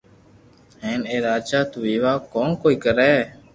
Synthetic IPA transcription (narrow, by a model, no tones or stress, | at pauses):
ɦẽːneːɾaːd͡ʒaːt̪ʊʋiːʋaːkoːnkoːiːkəɾɛː